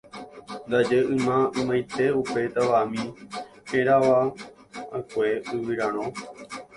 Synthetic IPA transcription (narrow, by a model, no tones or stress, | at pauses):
nd̪ad͡ʒeʔɨ̃mãɨ̃mãjt̪e̞upe̞t̪aʋamĩ | eɾaʋa | a̰kʷeɨwɨɾãɾ̃õ